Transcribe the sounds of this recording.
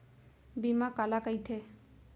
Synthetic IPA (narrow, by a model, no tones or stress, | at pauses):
bimãkalakəit̪ʰe